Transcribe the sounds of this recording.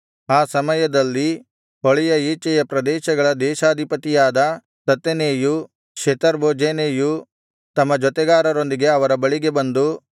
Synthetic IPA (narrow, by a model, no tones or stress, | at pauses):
aːsɐmɐjɐd̪ɐlːi | oɭɛjɐiːt͡ʃːɐjɐpɾɐd̪ɛːʃɐɡɐɭɐd̪ɛːʃaːd̪ʱipɐt̪ijaːd̪ɐ | t̪ɐt̪ːeneːju | kʂet̪ɐɾboːd͡ʒeneːju | t̪ɐmːɐd͡ʒɔt̪ɛɡaːɾɐɾo̞nd̪iɡe̞ɐʋɐɾɐbɐɭiɡe̞bɐnd̪u